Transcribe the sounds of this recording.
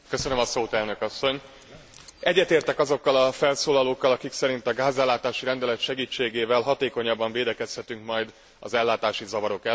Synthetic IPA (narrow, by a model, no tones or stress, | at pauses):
kø̞sønømɒsoːt̪ɛlnø̞kɒsːo̞ɲ | ɛɟːɛt̪eːrt̪ɛkɒzo̞kːɒlɒfɛlsoːlɒloːkːɒlɒkiksɛɾint̪ɒɡaːzɛlːaːt̪aːʃiɾɛnd̪ɛlɛt̪ʃɛɡiːt͡ʃːeːɡeːvɛlɦɒt̪eːko̞ɲɒbːɒɱveːd̪ɛkɛshɛt̪yŋkmɒjd̪ | ɒ̰zɛlːaːt̪aːʃizɒvɒɾo̞kɛ